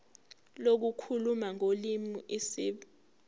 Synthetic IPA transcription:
lok̬ukʰulumaŋolimuʔisiːɓ

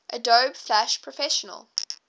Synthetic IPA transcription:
ʔədoːb̥flæʃpʰɹ̥əfɛʃənə̰lˠ

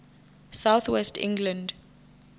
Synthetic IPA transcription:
saʊθwɛstʰɪ̰̃ŋɡlə̃nd

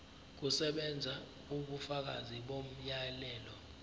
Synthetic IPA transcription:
k̬usɛɓɛnd͡zʱa | uɓufak̬a̰ziɓom̩jalɛːlɔ

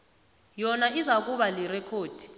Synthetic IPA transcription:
jɔnaʔizak̬ʼuɓalirɛkʰoːd̥ʱi̥

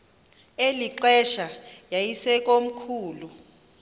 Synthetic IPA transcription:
eliǃɛʃajajisɛk̬ʼom̩kʰuːlu

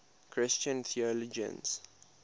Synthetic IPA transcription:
kʰɹɪst͡ʃə̃nθʰiɔlɔd͡ʒə̰̃ns

